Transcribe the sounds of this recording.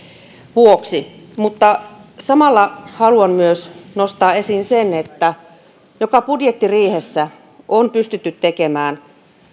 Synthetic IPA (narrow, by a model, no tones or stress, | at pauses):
ʋuoksimut̪ːɑsɑmɑlːɑhɑluɑnmyøsnost̪ɑːesinsenet̪ːæ | jokɑpudjet̪ːiriːhesːæ | ʔonpyst̪yt̪ːyt̪tekemæːn